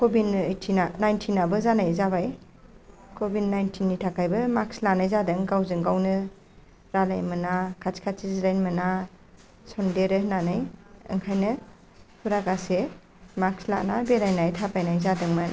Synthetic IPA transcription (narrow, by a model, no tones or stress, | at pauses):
kɔbinɯjtʰinanajntʰinːabɯzanajzabaj | kʰobidnajntʰinːitʰakʰajbɯmakslanajzadɯŋɡawzɯŋɡawnɯ | ɾalajmɯnakʰat͡ʃkʰat͡ʃizɾajnmɯna | sɔndeɾɯnanajɯ̰ŋkʰajnɯ | pʰuɾaɡase | maksla̰nabeɾajnajtʰapajnajzadɯŋmɯ